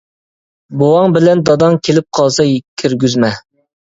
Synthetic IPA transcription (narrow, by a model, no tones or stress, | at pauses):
bowɑŋbɪlɛnd̪ɑd̪ɑŋkʲʰelɪp̚qʰɑlˠsɑjkʲʰyɾɡʲyzmɛ